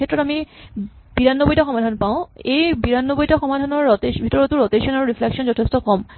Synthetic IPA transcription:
ɛtɹɔtami | b̥iɹanːobojtaxɔmadʱanpaʊ̃ejbiɹanːobojtaxɔmadʱanɔɹɔtebʱitɔɹɔtuɹoteʃɔnaɹuɹifʰlɛksɔnzɔtʰestɔkɔm

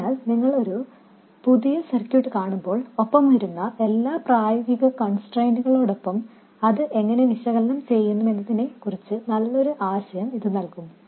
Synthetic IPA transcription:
aːlniŋːɐɭo̞ɾu | puðijɐsɐrkjuːʈːɨkaːɳumbo̞ːɭopːɐmʋɐɾunːɐʔe̞lːaːpraːjɐɣiɣɐkɐɳsʈrɐjnduɣɐɭo̞ːɽo̞pːɐm | ɐðɨʔe̞ŋːɐne̞ʋiɕɐɣɐlɐnɐmt͡ɕe̞jːunːume̞nːɐðine̞kurit͡ɕːɨnɐlːo̞ɾuʔaːɕɐjɐmiðɨnɐlkum

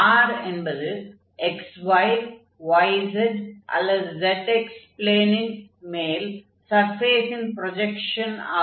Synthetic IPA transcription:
aːɾenbɐðɯ | eksʋɐɪl | ʋɐjsɐd͡ʒʔɐ̰lːɐðɨzeʈekspleːniŋmeːl | sɐɾfeːsinpɾod͡ʒekʂɐna̰ː

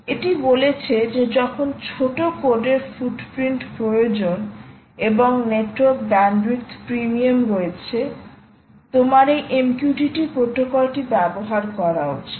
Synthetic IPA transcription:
eʈibolet͡ɕʰed͡ʑed͡ʑɔkʰont͡ɕʰoʈokoɖeɾfuɖpɾiɳʈpɾojod͡ʑon | eboŋneʈoɾkbɛnɖɾikt̪pɾimiamɾoet͡ɕʰe | t̪omaɾejʔemkjuʈiʈipɾot̪ːokalʈibɛboɦaɾkɔɾao̰t͡ɕʰe̥

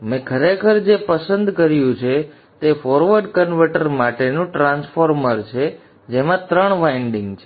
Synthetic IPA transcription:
mɛ̃kʰəɾekʰəɾd͡ʒepəsənd̪kəɾjũt͡ʃʰe | t̪efɔɾʋəɾɖkənʋəʈəɾmaʈenũʈɾãnsfoɾməɾt͡ʃʰe | d͡ʒemãt̪ɾəɳʋaiɳɖiŋɡt͡ʃʰe

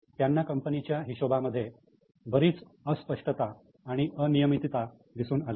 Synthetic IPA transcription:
t̪janːakəmpənit͡ɕjaɦiɕobaməd̪ʱːje | bəɾiːt͡s | əspəʂʈət̪aː | ɽ̃iʔənijəmit̪it̪a | d̪isuːnale

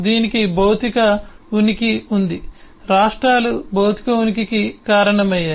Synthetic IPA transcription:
d̪iːnikibɐwt̪ikɐunikiund̪i | ɾaːʂʈɾaːlubʱɐwt̪i̥kɐunikikikaːɾɐɳɐmɐjːaː

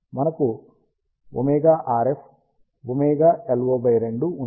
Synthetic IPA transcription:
mɐnɐku | ṵmɛːɡaːʔaːɾepʰ | ʋumɛːɡaːelɡoːbʱɐjɾeɳɖuː

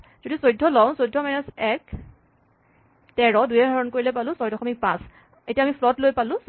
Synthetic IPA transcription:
zodisojdʱːɔlɔw̃sojdʱːɔmajnasɛk | tɛɹɔdujɛdʱɔɹɔnkoɹilejpalʊ̃sɔjdɔxɔmik̚pã̰s | etiamipʰlɔtlojpalʊ̃s

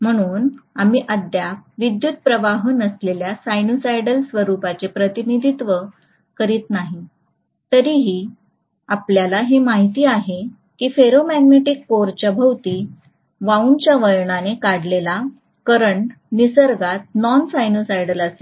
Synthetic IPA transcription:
m̤əɽ̃uːnamiːʔəd̪jakʋid̪jut̪̚pɾəʋaɦənəsleljasajnusajɖəlsʋəɾupat͡sepɾət̪inid̪ʱit̪ʋə | kəɾiːt̪naɦi | t̪əɾiɦiː | apljalaɦemaɦit̪iːaɦe | kiːfeɾomæɡmeʈikːoɾt͡ɕabʱəwt̪iː | ʋaunt͡ɕjaʋəjɳanekaɽlela | kəɾəɳʈ | nisəɾɡat̪̚nɔnsajnosajɽələse

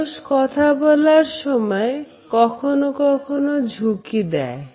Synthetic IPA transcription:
skɔt̪ʰabɔlaɾʃɔmɔe | kɔkʰonokɔkʰonod͡ʒʱukid̪ɛ̰e

